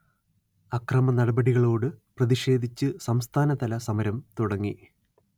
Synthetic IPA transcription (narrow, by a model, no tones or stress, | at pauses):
ɐkrɐmɐnɐɽɐbɐɽiɣɐɭo̞ːɽɨprɐðiʂe̞ːd̪ʱit͡ɕːɨsɐmst̪ʰaːnɐt̪ɐlɐsɐmɐɾɐmt̪uɽɐŋːḭ